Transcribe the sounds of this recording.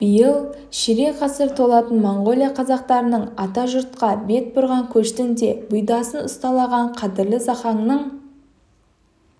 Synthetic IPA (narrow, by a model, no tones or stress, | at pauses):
b̥əjəlˠ | ʃɪɾe̞qʰɑsəɾt̪ʰo̞lˠɑt̪ənmoɴʁo̞lʲˠijaqʰɑzɑq̚t̪ɑɾənəɴɑt̪ɑʒʊɾt̪̚qɑbe̞t̪̚bʊɾʁɑŋkʲʰɵʃt̪ɪnd̪e̞bʊjd̪ɑsənʊst̪ɑlˠɑʁɑɴqʰɑd̪ɪɾlɪsɑχɑɴnəɴ